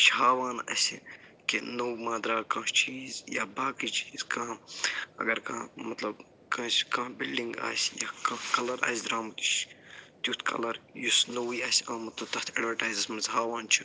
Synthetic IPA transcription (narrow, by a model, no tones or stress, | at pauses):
t͡ʃʰɦaːʋaːnɐ̰sʲḭ | kenɐwmãːd̪ɾaːkãːt͡ʃiːzjaːbaːkit͡ʃi̥ːzkãːɐ̰ɡɐɾkãːmɐt̪lɐb | kɐ̃ːsʲkãːbilɖĩŋɡa̰ːsʲjaːkãːkɐlɐɾʔa̰ːsʲd̪ɾaːmɐt̪u̥ʃt̪ʲjut̪ʰkʰɐ̰lɐɾjusnɐwiːaːsʲãːmɐt̪ɐt̪ɐht̪ʰeɖʋɐɾʈaːjzɐsmɐnzɦaːʋaːnt͡ʃʰi̥